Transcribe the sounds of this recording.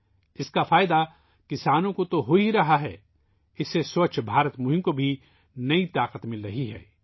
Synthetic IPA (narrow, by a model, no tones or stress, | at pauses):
ɪskafaːɪd̪a | kɪsaːnõkot̪oɦoiɾɐɦaɦɛː | ɪsːesoːt͡ʃʰbʱaːɾət̪moːɦɪ̃mkobʱi | nɐit̪aːqət̪mɪlɾɐɦiɦɛ̰ː